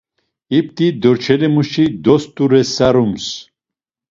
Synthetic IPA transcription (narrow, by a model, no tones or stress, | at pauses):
ip̚t̪ʼid̪ɔɾt͡ʃʰɛlɛmuʃid̪ɔst̪ʼuɾɛsaɾums